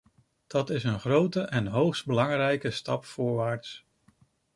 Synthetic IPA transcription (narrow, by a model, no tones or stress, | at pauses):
d̥ɑtɪsənχrowtəʔɛnɦowχsd̚bəlɑŋrɛjkəstɑpfʊːɹʋaːɹts